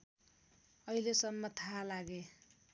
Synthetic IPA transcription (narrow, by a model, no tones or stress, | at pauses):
ʌilesʌmːʌt̪ʰaɦalaɡe